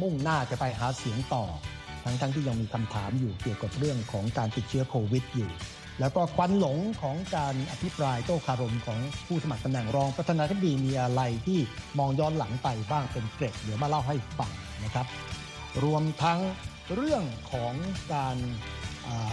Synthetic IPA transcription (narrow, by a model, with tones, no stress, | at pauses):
mu˥˩ŋnaː˥˩t͡ɕa˨˩pa˧jɦaː˩˦si˩˦əŋt̪ɔ̰ː˨˩ | t̪ʰa˦˥ŋt̪ʰa˦˥ŋt̪ʰiː˥˩ja˧ŋmiː˧kʰa˧mt̪ʰa̰ː˩˦mjuː˨˩ki˨˩əwka˨˩p̚ɾɯ˥˩əŋkʰɔː˩˦ŋkaː˧nt̪i˨˩t̪̚t͡ɕʰɯ˦˥ɐkʰoː˧wi˦˥t̪̚juː˨˩ | lɛː˦˥wkɔː˥˩kʰwa˧˥nlo˨˩˦ŋkʰɔː˩˦ŋkaː˧nʔa˧t̪pʰi˦˥pɾaː˧jt̪oː˥˩kʰaː˧ɾo˧mkʰɔː˩˦ŋpʰuː˥˩sa˧ma˨˩k̚t̪a˧mnɛ˨˩ŋɾɔː˧ŋpɾa˧t̪ʰaː˧naː˧t̪ʰi˥p̚diː˧miː˧ʔa˧ɾa˧jt̪ʰiː˥˩ | mɔː˧ŋjɔː˦˥nla˩˦ŋpa˧jbaː˥˩ŋpe˧nkle˨˩k̚lɯ˨˩˦maː˥˩la˥˩wɦa˥˩jfa˨˩ŋ | na˦˥kʰa˦˥p̚ | ɾu˧əmt̪ʰa˦˥ŋ | ɾɯ˥˩əŋkʰɔː˩˦ŋkaː˧n | ʔəː˨˩